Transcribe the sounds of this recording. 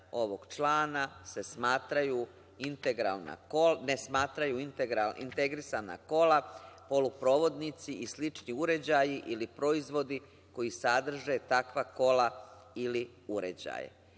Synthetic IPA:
o̞ʋo̞ɡ̥t͡ʃlaːnase̞smaːt̪ɾaju | int̪eɡɾa̰lna̰kolnesmaːt̪ɾajuint̪eɡɾaḭnt̪e̞ɡɾisana̰ko̞lapo̞lupɾo̞ːʋo̞d̪nit̪siʔislit͡ʃniuɾe̞d͡ʑajiʔilipɾo̞izʋo̞d̪i | ko̞jisad̪r̩ʒe̞t̪akʋako̞laili | uɾḛd͡ʑa̰jḛ

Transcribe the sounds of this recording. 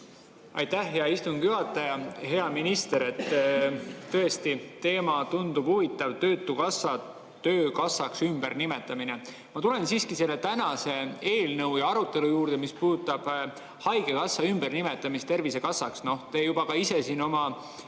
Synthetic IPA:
ɑ̰jt̪æhjɑist̪uŋɡjuɑt̪ːˑɑjɑɦe̞ɑminist̪e̞ɾe̞t̪ː | tːɤ̞est̪it̪e̞ːmɑt̪und̪ub̥huvit̪ːˑɑvt̪ø̞ːt̪ːˑukɑsːɑ | t̪ø̞ːkɑsːɑksymb̥e̞rnime̞t̪ːˑɑmine | mɑt̪ulensiːskise̞lːe̞t̪ænɑse̞e̞ːlnɤwjɑɑɾut̪ːˑe̞lujuːɾrd̪̥e̞mispuːd̪̥ut̪ːˑɑb̥ | hɑjɡe̞kɑsːɑymb̥ernime̞t̪ːˑɑmist̪e̞rvise̞kɑsːɑksno̞ht̪ejub̥ɑkɑise̞sino̞mɑ

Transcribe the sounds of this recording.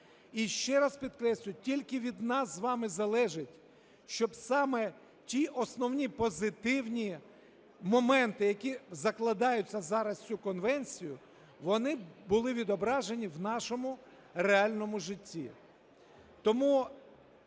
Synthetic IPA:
iʃt͡ʃɛɾɑspʲid̪kɾɛsʲlʲʊtʲilʲkɪʋʲid̪nɑszʋɑmɪzɐlˠɛʒɪtʲ | ʃt͡ʃɔbsɑmɛ | tʲiʔɔsnɔwnʲipɔzɪt̪ɪwnʲi | mɔmɛnt̪ɪjɐkʲizɐklˠɐd̪ɑjʊt͡sʲːɐzɑɾɐst͡sʲukɔnʋɛnʲsʲijʊ | ʋɔnɪbʊlˠɪʋʲid̪ɔbɾɑʒenʲiwnɑʃɔmʊ | reɑlʲnɔmʊʒɪtʲːḭ | t̪ɔmu

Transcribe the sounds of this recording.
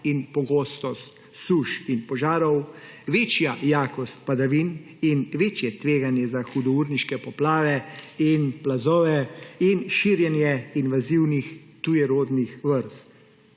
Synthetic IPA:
inpɔɡoːst̪ɔst̪ | suʃinpɔʒaːɾɔwʋeːt͡ʃjajaːkɔst̪̚pad̪aʋin | inʋeːt͡ʃjɛt̪ʋeːɡanjɛzaxud̪ɔuːɾniʃkɛpɔplaːʋɛinplazɔːʋɛinʃiɾjɛnjɛinʋaziwnixt̪ujɛɾoːd̪nixʋəɾst̪

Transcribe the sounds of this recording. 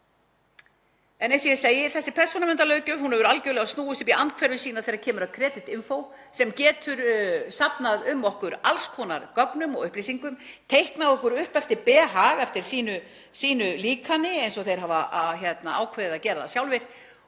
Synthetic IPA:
ɛnensiɛseːjɪθɛsːɪpʰɛr̥sɔnamɛnt̪alœɥcʏhunɛvʏɾalcœːɥlɛɣast̪uːʏst̪ʏpiant̪kʰvɛɾvʏsiːnaθejɾaɾcʰɛːmʏɾakʰɾɛːt̪ɪt̪ɪnfow | sɛmcɛːt̪ʰʏɾsapnaðʏmːɔhkʏɾalskʰɔːna̰ɾkœknʏmɔ̰ɣʏhples̬iŋkʏmt̪ʰejhknaðɔhkʏɾʏhpɛft̪ɪɾpɛːɦaɣɛft̪ɪɾ̥siːnʏ | siːnʏliːkʰanɪejnsɔθejɾ̥ɦaːvaçɛt̪naaːwkʰveːðɪðacɛːɾaða̰sjaːwlvɪɾ̥

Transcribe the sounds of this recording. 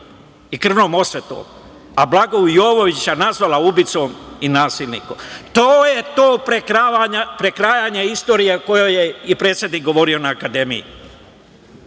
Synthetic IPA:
ikr̩ʋnoːmo̞sʋet̪o̰ːm | ablˠaɡoujoːʋo̞ʋit͡ɕanazʋalaubit̪so̞minaːsilʲnḭkomt̪oːje̞t̪oːpɾekɾaaɲapɾekɾaːjaɲeist̪o̞ːɾijeko̞jojeipɾet̪sje̞d̪niːk̚ɡo̞ʋo̞ɾio̞naːkad̪e̞mḭjḭ

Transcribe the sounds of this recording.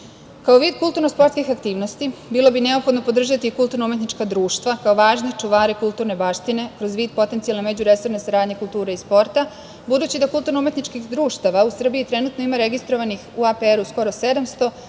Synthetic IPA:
kao̞ʋiːd̪kulˠt̪uɾnospo̞ɾt̪kixakt̪iːʋnost̪ibilo̞bine̞o̞pxo̞d̪no̞po̞d̪r̩ʒat̪ikulˠt̪uɾnoume̞t̪nit͡ʃkad̪ɾuːʃt̪ʋakaoʋaːʒnet͡ʂuʋaːɾekulˠt̪uɾne̞baʃt̪ine̞kɾo̞zʋiːd̪̚po̞t̪ent̪sijalnemed͡ʑuɾe̞so̞ɾne̞saɾaːd̪ɲe̞kulˠt̪uːɾeispo̞ɾt̪a | bud̪uːt͡ɕid̪akult̪uɾnoumet̪nit͡ʃkixd̪ɾuːʃt̪aʋausr̩biit̪ɾe̞nut̪noimaɾe̞ɡist̪ɾo̞ʋanixuapeeɾusko̞ɾo̞se̞d̪amst̪o̞

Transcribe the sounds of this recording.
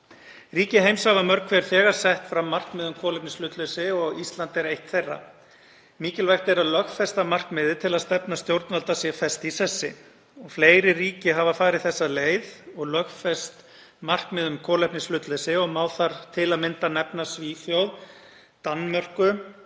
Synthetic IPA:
riːcɪɦejmsavamœɾkʰfɛɾ̥fɛːɣaɾ̥sɛht̪fɾamːar̥kmɪðʏmkʰɔːlɛpnɪslʏt̪lɛsɪɔɣist̪lant̪ɛɾejht̪θejrːa̰ | miːcɪlvajxt̪ɛɾaðlœxfɛst̪amar̥kmɪðɪt̪ʰɪlaðst̪ɛpnast̪jowɾt̪nvalt̪asjɛfɛst̪isɛsːɪ̰ | ɔɣfleːjɾɪriːcɪɦavafaːɾɪðθɛsːaleːjðɔɣlœxfɛst̪ | mar̥kmɪðʏmkʰɔːlɛpnɪslʏt̪lɛsɪɔɣmaːwθaɾ̥t̪ʰɪlaðmɪnt̪anɛpnasviːfjowð | t̪anmœr̥kʏ

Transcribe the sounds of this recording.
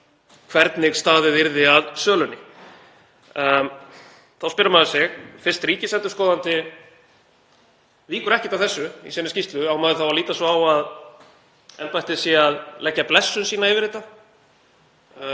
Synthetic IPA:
kʰvɛɾt̪nɪɣst̪aːðɪðɪɾðɪaðsœːlʏnɪ | θawspɪɾamaðɪsɛɣfɪɾ̥st̪ɾiːcɪsɛnt̪ʏɾskoːwðant̪ɪ | viːkʏɾɛhcɪ̥t̪awθɛsːʏḭsɛnʏscist̪lʏawmaːðɪθawaliːt̪asɔawað | ɛlpajht̪ɪsjɛaðlɛcːaplɛsːʏnsiːnaɪvɪɾɪːt̪a

